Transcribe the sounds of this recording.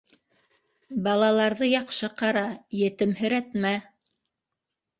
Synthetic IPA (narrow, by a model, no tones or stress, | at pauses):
bɑlˠɑlˠɑɾðɤjɑqʃɤqɑɾɑjɘ̆t̪ɘ̆mhɘ̆ɾæt̪mæ